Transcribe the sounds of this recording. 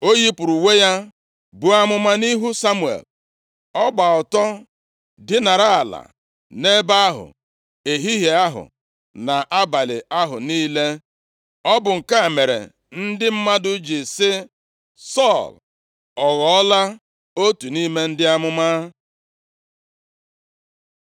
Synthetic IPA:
o˦ji˦pʊ˨ɾu˨we˦ja˦ | bu˨a˦mʊ˦ma˦ni˦ɦu˦sa˦mu˨ḛ˨l | ɔ˦ɡ͡ba˨ɔ˨tɔ˦ | dɪ˦na˨ɾa˦a˨la̰˨ | ne˦ba˦a˦ɦʊ̰˨ | e˨ɦi˦ɦe˨a˦ɦʊ̰˨ | na˨ʔa˦ba˨lɪ̰˨a˦ɦʊ˨niː˦le˦ | ɔ˦bʊ˨ŋ̩˨ka˦˨me˨ɾḛ˨ | n̩˦dɪ˦m̩˦ma˦dʊ˦d͡ʒi˨sɪ˦ | sɔ˦˨l | ɔ˨ɣɔ˨ɔ˦la˦ | o˦tu˨ni˦me˦n̩˦dɪ˦a˦mʊ˦ma˦

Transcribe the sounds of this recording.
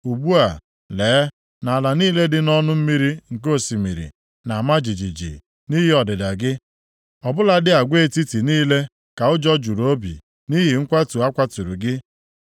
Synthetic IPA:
u˨ɡ͡bu˦a˨ | leː˨˦ | na˨la˨niː˦le˦dɪ˦nɔ˦nʊ˦m̩˦mi˦ɾi˦ŋ̩˨k̬o˦˨si˨mi˨ɾḭ˨ | na˨ma˦d͡ʒi˨d͡ʒi˨d͡ʒḭ˨ | ni˦ɦɪ˦ɔ˨dɪ˨da˨ɡɪ˦ | ɔ˨bʊ˦la˨dɪ˦a˨ɡʷe˦˨ti˦ti˨niː˦le˦ | ka˨ʊ˦d͡ʒɔ˦d͡ʒu˨ɾo˦bḭ˨ | ni˦ɦɪ˨ŋ̩˦kʷa˦tu˨a˦kʷa˦tu˨ɾu˨ɡɪ˦

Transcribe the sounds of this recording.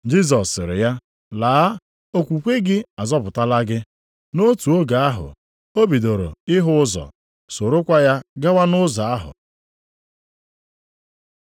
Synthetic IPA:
d͡ʒi˦zɔ˨sɪ˨ɾɪ̰˨ja˦ | laː˨˦a˦ | o˦kʷu˨kʷe˦ɡɪ˦a˨zɔ˦pʊ˨ta˦la˦ɡɪ˦ | no˦tu˨o˦ɡa˨a˦ɦʊ̰˨ | o˦bi˨do˨ɾo̰˨ɪ˦ɦʊ˦ʊ˦zɔ̰˨ | so˨ɾo˦kʷa˦ja˦ɡa˦wa˦nʊ˦za˨a˦ɦʊ̰˨

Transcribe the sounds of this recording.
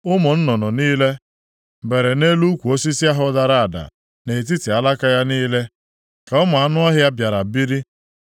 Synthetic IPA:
ʊ˦mɔ˨n̩˦nɔ˨nɔ˨niː˦le˦ | be˨ɾe˨ne˦lu˦kʷu˨o˦si˦si˦a˦ɦʊ˦da˨ɾa˦a˨da̰˨ | ne˨t̬i˦ti˨a˨la˦ka˦ja˦niː˦le˦ | ka˨ɔ˦ma˨a˦nʊ˦ɔ˦ɦja˦bja˨ɾa˨bi˦ɾi˦

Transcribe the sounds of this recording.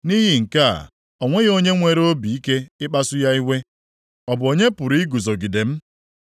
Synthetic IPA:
ni˦ɦi˨ŋ̩˨ka̰˦˨ | ɔ˨ŋʷe˦ɣo˦ɲe˦ŋʷe˨ɾo˦bi˨i˦ke˦ɪ˦k͡pa˦sʊ˦ja˦i˦ɦʷe˦ | ɔ˨bʊ˨o˨ɲe˦pʊ˨ɾi˦ɡu˨zo˨ɡi˨de˨m̩˦

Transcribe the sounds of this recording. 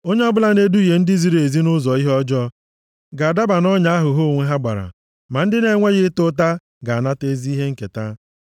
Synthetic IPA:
o˦ɲe˦ɔ˦bʊ˦la˨ne˦du˦i˨je˨n̩˦dɪ˦zi˦ɾe˨zi˦nʊ˦zɔ˨i˦ɦɔ˦d͡ʒɔ˦ | ɡa˨a˨da˦ba˨nɔ˦ɲa˦a˦ɦʊ˨ɦo˦˨ŋʷe˦ɦa˦ɡ͡ba̰˨ɾa̰˨ | ma˨n̩˦dɪ˦ne˨˦ŋʷe˦ɣɪ˦tʊ˦t̬a˦ | ɡa˨a˨na˦te˦zi˦i˦ɦe˦ŋ̩˦ke˨ta˦

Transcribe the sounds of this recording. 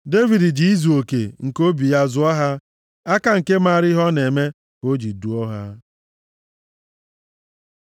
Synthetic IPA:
de˦vi˨di˨d͡ʒi˨i˦zu˨o˨kḛ˨ŋ̩˨ko˦bi˨ja˦zʊ˦ɔ˦ɦa˦ | a˦ka˨ŋ̩˨ke˦ma˦˨ɾɪ˦ɦɔ˦ne˨me˦ | ko˦d͡ʒi˨du˨ɔ˦ɦa̰˦

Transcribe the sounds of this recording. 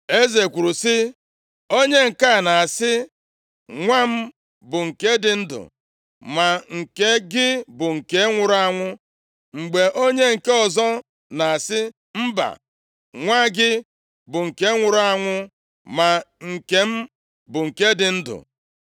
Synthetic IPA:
e˦ze˨kʷu˨ɾu˨sɪ˦ | o˦ɲe˦ŋ̩˨ka˦˨na˨a˨sɪ˦ | ŋʷa˦m̩˦ | bʊ˨ŋ̩˨ke˦dɪ˨n̩˦dʊ̰˨ | ma˨ŋ̩˨ke˦ɡɪ˦bʊ˨ŋ̩˨ke˦ŋʷʊ˨ɾʊ˦a˦ŋʷʊ˦ | ŋ͡m̩˨ɡ͡be˨ʔo˦ɲe˦ŋ̩˨ke˦ɔ˨zɔ˦ | na˨a˨sɪ˦ | m̩˦ba̰˨ | ŋʷa˦ɡɪ˦ | bʊ˨ŋ̩˨ke˦ŋʷʊ˨ɾʊ˦a˦ŋʷʊ˦ | ma˨ŋ̩˨ke˨˦m̩˦ | bʊ˨ŋ̩˨ke˦dɪ˨n̩˦dʊ̰˨

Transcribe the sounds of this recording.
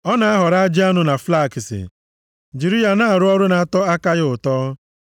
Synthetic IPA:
ɔ˦na˨a˦ɦɔ˨ɾa˦a˦d͡ʒi˦a˦nʊ˦na˨fla˦˨kɪ˨sɪ̰˨ | d͡ʒi˨ɾi˦ja˨na˦a˨ɾʊ˦ɔ˦ɾʊ˦na˨a˨tɔ˦a˦ka˦ɣɪ˦ʊ˨tɔː˦

